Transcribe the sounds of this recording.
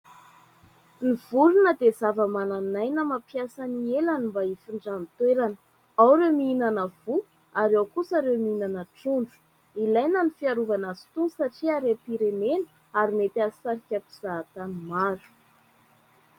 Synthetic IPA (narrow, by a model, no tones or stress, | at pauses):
niv̥ulunəd̪ezavəmananajnəmapjasanielanimbaifiɳɖ͡ʐant̪weɾanə | awɾewmiinanəvu | aɾawkusaɾewmiinanəʈ͡ʂuɳɖ͡ʐu̥ | ilajnənifiaɾuvanazi̥t̪unsaʈ͡ʂiaɾepiɾemenə̥ | aɾimet̪asaɾikʲakuz̥at̪animaɾu̥